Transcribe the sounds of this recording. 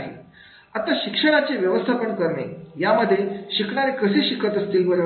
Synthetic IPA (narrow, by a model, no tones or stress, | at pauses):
ɦḛ | at̪aɕikʂəɽ̃at͡ɕeʋjəʋəst̪ʰapəɳkəɾɳḛjaməd̪ʱːjeɕikɳaɾekəseːɕikət̪əst̪iːlbəɾə